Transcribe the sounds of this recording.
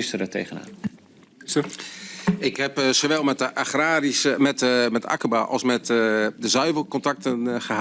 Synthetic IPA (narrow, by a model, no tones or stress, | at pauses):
ɪstəɾətʰḛːɣəna̰ːn | ɪkhɛpsoʋɛlˠmɛtəʔaxraːrismɛtmɛta̰kəbaʔɔ̰lˠsmɛtdəzœɥvərkɔntak̚tənχəha